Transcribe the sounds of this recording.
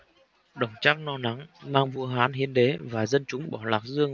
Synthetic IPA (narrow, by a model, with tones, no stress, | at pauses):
ɗə˨˧˩wŋ͡mt͡ɕaː˦˥k̚nɔ˧na˨˦ŋmaː˧ŋvu˧əɦaː˨˦nɦi˨˦ənɗe˨˦vaː˨˩zə˧nt͡ɕʊ˨˦ŋ͡mɓɔ˧˩laː˨˩k̚zɨ˧əŋ